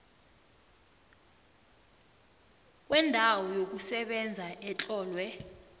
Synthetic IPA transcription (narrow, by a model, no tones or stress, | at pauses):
k̬ʼwɛndʱawɔjok̬usɛɓɛnd͡zʱaʔɛt͡ɬʼɔːlwɛ